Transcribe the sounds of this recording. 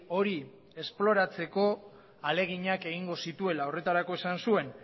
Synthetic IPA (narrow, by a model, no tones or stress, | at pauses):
o̞ɾi | e̞splo̞ɾat͡se̞ko̞ | ale̞ɣ̞iɲake̞ɣiŋɡo̞sit̪ue̞lao̞re̞t̪aɾako̞e̞sansue̞n